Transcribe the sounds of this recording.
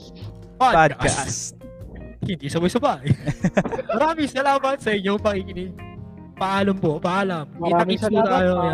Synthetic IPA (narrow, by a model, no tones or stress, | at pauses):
padaas | hɪnd̪iːsɐbojsɐbaːʔɐj | mɐɾaːmɪŋsɐlaːmɐt̪̚sɛɲoŋpɐŋikɪnɪɡ̚ | pɐʔaːlɐmpopɐʔaːlɐmiɐist̪aːjoja